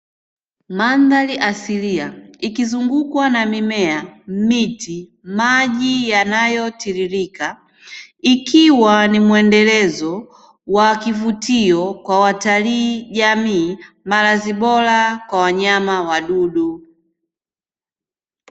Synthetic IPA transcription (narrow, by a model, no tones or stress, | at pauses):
mandaliʔasiliaikizuŋɡukwanamimɛam̩miti | maʄijanajɔtiɾiɾika | ikiwanimwɛndɛlɛzɔ | wakivutiɔkwawataliːʄamiː | malaziɓɔlakwawaɲamawaɗuɗu